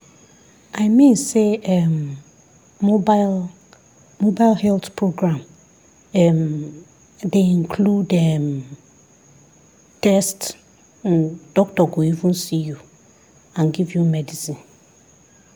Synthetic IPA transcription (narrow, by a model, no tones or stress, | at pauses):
aɪmĩnseɛm | obal | mobaɪlhɛltpʰɹoɡɹãm | ɛm | deĩnkʰludɛm | tɛst | nd̥ɔk̚tɔɡoivũnsiju | ãnɡivjumɛdisĩn